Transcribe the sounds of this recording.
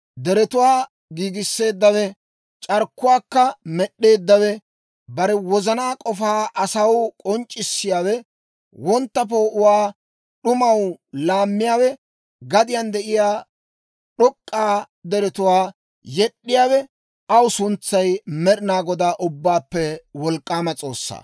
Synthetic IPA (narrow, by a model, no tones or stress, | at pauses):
d̪ɛɾɛt̪ʊwaː | ɡiːɡɪsːe̞ːd̪ːɐwɛ | t͡ʃʼɐɾkːʊwaːkːɐmɛɗːe̞ːd̪ːɐwɛ | bɐɾɛwɔzɐnaːkʼɔfaːʔɐsɐwkʼɔnt͡ʃʼːɪsːɪjaːwɛ | wɔnt̪ːɐpoːʔʊwaː | ɗʊmɐwlaːmːɪjaːwɛ | ɡɐd̪ɪjɐnd̪ɛʔɪjaː | ɗɔkʼːaː | d̪ɛɾɛt̪ʊwaː | jɛɗːɪjaːwɛ | ɐwʊsʊnt͡sːɐjmɛɗɪnaːɡɔd̪aːʔʊbːaːpːɛwɔlkʼːaːmɐt͡sʼo̞̰ːsːa̰ː